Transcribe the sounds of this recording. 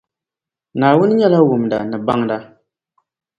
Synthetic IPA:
naː˨wʊ˦n˦ɲɛ˦la˦wʊ˨mda̰˨nɨ˨ba˦ŋda˦

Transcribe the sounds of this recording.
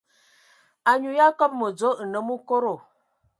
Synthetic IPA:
a˨ɲu˨ja˦kɔ˦p̚mə˨d͡zo˨˦ə˨nə˦mu˦ko˦ɾo˨

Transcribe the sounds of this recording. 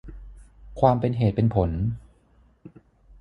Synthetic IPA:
kʰwaː˧mpe˧nɦeː˨˩t̪̚pe˧npʰo˩˦n

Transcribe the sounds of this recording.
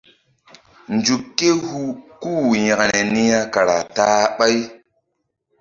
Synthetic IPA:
nd͡ʒu˨kːe˦hu˦kuː˦˨jĩ˨kɾe˨ni˦ja˦ka˨ɾa˨taː˦ɓa˦j

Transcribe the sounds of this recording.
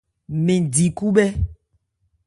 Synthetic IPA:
mẽ˨di˨ku˦bɛ˦

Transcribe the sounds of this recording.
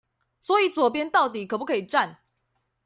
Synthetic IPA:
swɔ˧˦i˨˦t͡swɔ˨˩p̬jɛ˦nt̪ɑ˥˩ʊt̪i˨˩kʰɤ˨˩pu˥kʰi˨˩ʈ͡ʂa˥˨n

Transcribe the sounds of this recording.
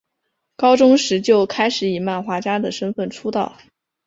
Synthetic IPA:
kɑ˥ʊʈ͡ʂʊ˥ŋʂɻ̩˧˥t͡ɕjo˥˩ʊkʰa˥ɪʂɻ̩˨˧˥i˨˩ma˥˩nxwa˧˥t͡ɕja˥d̪ə˨ʂə˥nfə˥˩nʈ͡ʂʰu˥t̪ɑ˥˩ʊ

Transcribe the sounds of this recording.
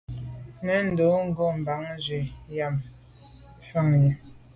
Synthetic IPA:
nɛ˨˦n̩˨do˨˦ŋ̩˦˨ɡo˦˨m̩˨ba˨˦ŋzɥe˨ja˦˨m | fa˦˨ŋjɛ˨

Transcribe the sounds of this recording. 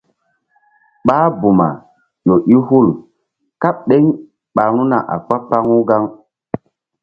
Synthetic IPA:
ɓaː˦bu˨ma̰˨ | jo˨ʔi˦ɦu˦˨l | ka˦ɓ̚ɗe˦ŋ | ɓa˨ɾu˦na˨ʔa̰˨k͡pa˦pa˦ŋu˦ɡa˦ŋ

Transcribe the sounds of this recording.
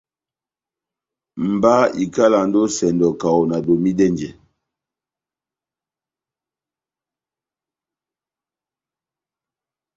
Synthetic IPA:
m̩˨ba˦i˨ka˦la˨n̩˦do˦sɛ˨ndɔ˨ka˨wo˨na˨do˨mi˦dɛ˦nd͡ʒɛ˨

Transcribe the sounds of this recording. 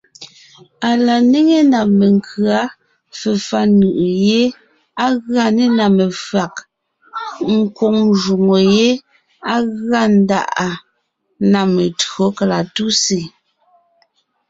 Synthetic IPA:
a˨la˨ne˦ŋe˦na˨me˨ŋ˨kʰɰa˦ | fɛ˨fa˦nɯ˨ʔje˦ | a˦ɣa˦˨ne˦na˨me˨fa˨k | ŋ̩˦˨ko˨ŋʒu˨ŋo˨je˦ | a˦ɣɰa˦˨n̩˦da̰˦˨ʔa˨ | na˨me˨tɰo˨˦ka˨la˨tu˦se˨

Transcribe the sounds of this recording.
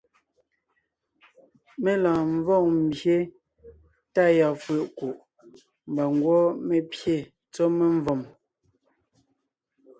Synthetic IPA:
me˦lãː˨ɱ˦vɔ˦˨ŋm̩˨bje˦ | ta˦ja˨fwe˨ʔku˨ʔ | m˨ba˨ŋ˦ɡwɔ˦me˦pje˦˨ | t͡sɔ˦me˦ɱ˦vɔ˨m

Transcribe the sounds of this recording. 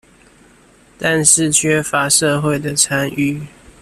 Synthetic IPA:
t̪a˥˧nʂɻ̩˥˨t͡ɕʰɥɛ˥fa˧˥ʂɤ˥˧xwe˥˩ɪd̪ə˩t͡sʰa˦ny˥˨

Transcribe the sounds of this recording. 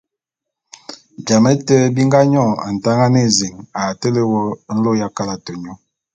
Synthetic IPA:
bja˨mɛ˦tə˦bi˦ŋɡa˦ɲɔ˦˨a̰˨n̩˨ta˦ŋa˦ne˦˨ze˨ŋa˨tə˦le˦wɔ˦n̩˦lo˦ja˦ka˦la˨to˨ɲɔ˦

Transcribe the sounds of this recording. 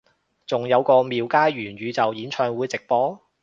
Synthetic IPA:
t͡sʊ˨ŋjɐ˨˧wkɔː˧miː˨wkaː˥jɥyː˨˩nɥyː˨˧t͡sɐ˨wjiː˨˥nt͡ʃʰœː˧ŋwuː˨˧jt͡sɪ˨k̚pɔː˨˥

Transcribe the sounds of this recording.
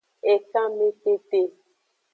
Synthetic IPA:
ɛ˨ka˦me˦te˦te˦

